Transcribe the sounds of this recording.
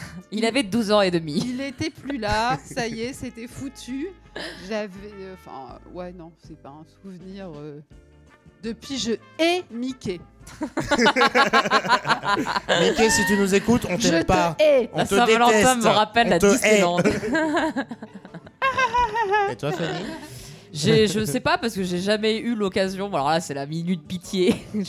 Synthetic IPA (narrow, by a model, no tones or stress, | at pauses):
ilavɛd̪uzɑ̃ed̪əmiilet̪ɛplylasajjeset̪ɛfut̪ʰyʒavɛɑ̃fɛ̰̃wɛnɔ̃sɛpaɛ̃suvniʁø | d̪əpɥiʒə | ɛmikʲɛ | mikesit̪ynuzekut̪ɔ̃tʒʒətp̪ɛ̃asəãvalɑ̃ɛtsɛ̃məʁapɛlːat̪ised̪ɑ̃t̪ | et̪wafani | ʒeʒəsɛpapaʁsə̥kəʒeʒamɛylɔkazjɔ̃alɔʁlasɛlaminyt̪̚pit̪je